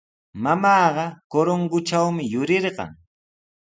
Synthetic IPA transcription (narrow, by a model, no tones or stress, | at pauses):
mamɑːɢɑkoɾoŋɡʊt͡ʃawmɪjʊɾɪɾɢɑ̰ŋ